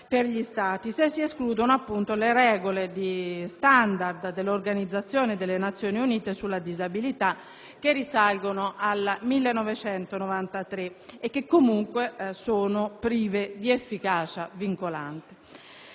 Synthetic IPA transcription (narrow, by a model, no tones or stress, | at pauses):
perʎist̪aːt̪isesːieskluːd̪onoapːunt̪oleɾɛːɡoled̪ist̪and̪ard̪d̪elːorɡanid̪zːat̪sːjoːned̪elːenat̪sːjoːniuniːt̪esulːad̪izabilit̪a | k̟erːisalɡonoʔalmilːenːɔvet͡ʃɛnt̪onovant̪at̪ɾeːkːekːomuŋkwesoːnopɾiːved̪iefːikaːt͡ʃaviŋkolant̪e̥